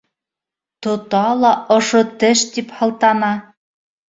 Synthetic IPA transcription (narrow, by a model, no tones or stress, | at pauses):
t̪ŏt̪ɑlˠɑŏʃot̪ɘʃt̪iphɑ̆lˠt̪ɑnɑ